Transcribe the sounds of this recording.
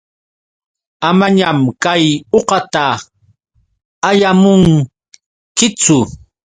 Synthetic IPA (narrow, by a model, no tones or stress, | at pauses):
amaɲamkajoqɑt̪a | ajamʊŋ | kɪt͡sʊ